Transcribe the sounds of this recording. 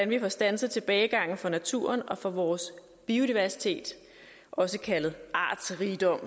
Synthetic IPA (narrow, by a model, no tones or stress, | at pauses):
ænʋifɒsd̥ænsð̞̩ˠt͡sʰe̝b̥ɛːɪɡ̥ɑ̈ŋ̰n̩fɒ̽næt͡sʰṵɐnɒ̽fɒ̽ʋɒːs | b̥io̝d̥iʋæɐsi̥t͡sʰe̝̰ːd̥ | ʔɒ̽səkʰælð̩ˠʔɑ̰̈ːd̥sʁiːd̥ɒ̽m̰